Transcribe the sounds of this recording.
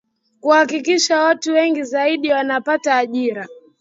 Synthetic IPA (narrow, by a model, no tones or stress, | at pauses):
kuhakikiʃawatuwɛŋɡizaiɗiwanapataːʄiɾa